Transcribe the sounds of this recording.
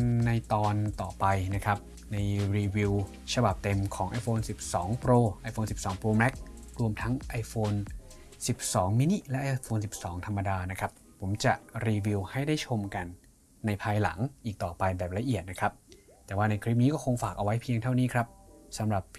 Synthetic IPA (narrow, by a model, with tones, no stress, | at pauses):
na˧jt̪ɔː˧nt̪ɔː˨˩pa˧jna˦˥kʰɾa˦˥p̚ | na˧jɾiː˧wi˧w | t͡ɕʰa˧ba˨˩p̚t̪e˧mkʰɔː˩˦ŋʔa˧jfoː˧nsi˨˩p̚sɔː˩˦ŋpɾoː˧ʔa˧jfoː˧nsi˨˩p̚sɔː˩˦ŋpɾoː˧mɛ˦˥k̚ɾu˧əmt̪ʰa˦˥ŋʔa˧jfoː˧n | si˨˩p̚sɔː˩˦ŋmiː˦˥ni˦˥lɛ˦˥ʔa˧fʰoː˧nsi˨˩p̚sɔː˩˦ŋt̪ʰa˧mːa˧daː˧na˦˥kʰɾa˦˥pːʰo˩˦mt͡ɕa˨˩ɾiː˧wi˧wha˥˩jda˥˩jt͡ɕʰo˧mka˧nː | a˧jpʰaː˧jla˩˦ŋʔiː˨˩k̚t̪ɔː˨˩pa˧jbɛː˨˩p̚la˧ʔi˨˩ət̪̚na˦˥kʰɾa˦˥p̚ | t̪ɛː˨˩waː˥˩na˧jkʰɾi˦˥p̚niː˦˥kɔː˥˩o˧ŋfaː˨˩k̚ʔa˧wa˦˥jpʰi˧əŋt̪ʰa˥˩wniː˦˥kʰɾa˦˥p̚sa˩˦mɾa˨˩p